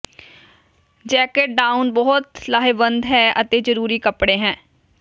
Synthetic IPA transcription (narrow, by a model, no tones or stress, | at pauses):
d͡ʒɛːkeʈ̚ɖaːunbɔːt̪laːɦeːbənd̪ɦɛːət̪eːd͡ʒəɾuːɾiːkəpɽeːɦɛ̃ː